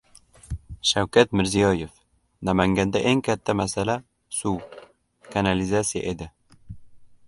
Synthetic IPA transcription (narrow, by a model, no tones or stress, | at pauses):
ʃawkat̪mɪɾzijɒjef | namaŋɡʲand̪aʔeŋkʲʰat̪ʰːamasala | suw | kʰanalizat̪sija̰ʔed̪ɪ